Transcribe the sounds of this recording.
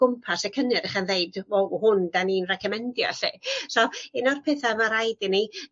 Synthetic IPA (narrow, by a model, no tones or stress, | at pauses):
ʊmpʰasəkʰənɨɾɛχanðeɨdvɔhʊndaniːnrɛkʰɛmɛndjɔ̰ɬisɔɪnɔrpʰɛːθamaɾajdɪni